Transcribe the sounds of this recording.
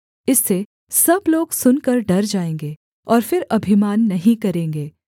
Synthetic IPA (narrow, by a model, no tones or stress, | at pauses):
ɪsːe | sɐbloːɡsʊnkɐɾɖɐɾd͡ʒaːẽːŋɡeː | ɔːɾfɪɾɐbʱɪmaːnːɐɦĩkɐɾẽːŋɡeː